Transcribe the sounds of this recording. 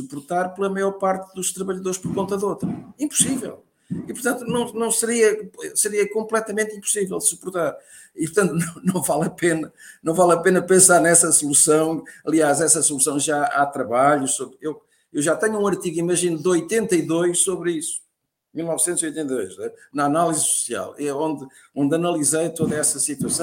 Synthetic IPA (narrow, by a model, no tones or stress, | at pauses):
supuɾt̪aɾplˠɐmɐjɔɾpaɾt̪ðuʃt̪ɾɐβɐʎɐðoɾʃpɔɾkõnt̪ɐðot̪ɾɐĩmpu̥sivɛ̰lˠ | ipuɾt̪ɐ̃nt̪unɐ̃w̃nɐ̃w̃sɨɾiɐɛsɨɾiɐkõmplˠɛt̪ɐmẽnt̪ĩmpu̥sivɛlˠd̪supuɾt̪aɾ | ipuɾt̪ɐ̃nt̪unɐ̃w̃nɐ̃w̃valˠɐpenɐnɐ̃w̃valˠɐpenɐpẽsaɾnɛsɐsulˠusɐ̃w̃ɐlˠiaʃɛsɐsulˠusɐ̃w̃ʒaat̪ɾɐβaʎusoβɾew | ewʒat̪ɛɲuũɐɾt̪iɣimɐʒinud̪ɨojt̪ẽnt̪ɐiðojʃsoβɾisu̥ | milˠnɔvsẽnziojt̪ẽneiðo̰jʃɛnɐanalˠizsu̥sia̰lˠɛõnd̪ɨ | õnd̪ɐnɐlˠizejt̪oðɐɛsɐsit̪wɐsɐ̃